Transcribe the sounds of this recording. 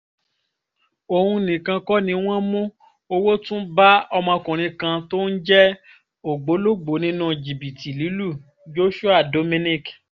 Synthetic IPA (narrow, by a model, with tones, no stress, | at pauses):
o˨hũ˧nĩ˨kã˧kɔ˦nĩ˧w̃ɔ̃˦mũ˦ | o˧wo˦tũ˦ba˦ɔ˧mã˧kũ˨ɾ̃ĩ˧kã˧to˦n̩˦d͡ʒɛ˦ | o˨ɡ͡bo˨˦lo˦ɡ͡bo˨˦nĩ˦nũ˦d͡ʒi˨bi˨tʰi˨li˨˦lu˦˨ | d͡ʒo˦ʃu˦a˦˨do˨˧mĩ˧nĩ˦k